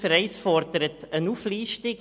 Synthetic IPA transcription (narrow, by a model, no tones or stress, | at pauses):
fəɾɛɪsfɔrdəɾətənuːfliːʃtɪk